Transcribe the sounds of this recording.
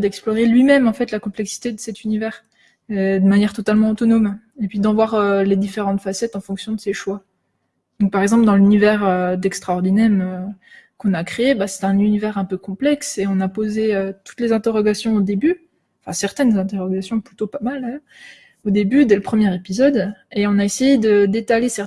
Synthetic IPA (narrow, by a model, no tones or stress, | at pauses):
d̪ɛksplɔʁelɥimɛmɑ̃fɛt̪lakɔ̃plɛksi̥t̪ed̪əsɛt̪ynivɛʁ | ɛd̪əmanjɛʁt̪ɔt̪almɑ̃ot̪ɔnɔm | epɥid̪ɑ̃vwaʁøled̪ifeʁɑ̃t̪fasɛt̪ɑ̃fɔ̃ksjɔ̃d̪əseʃwa | d̪̥ɔ̃k̚paʁɛɡzɑ̃pld̪ɑ̃lynivɛʁød̪ɛkst̪χaɔʁd̪inɛmøkɔ̃nakχeebasɛ̥t̪ɛ̃nynivɛʁɛ̃pøkɔ̃plɛkseɔ̃napozeøt̪u̥t̪lezɛ̃t̪eʁɔɡasjɔ̃od̪eby | ɑ̃fɛ̰̃sɛʁt̪ɛnzɛ̃t̪eʁɔɡasjɔ̃plyt̪opamald̪ajœʁ | od̪ebyd̪ɛləpχəmjɛʁepizɔd̪eɔ̃naesejed̪əd̪et̪alesɛʁ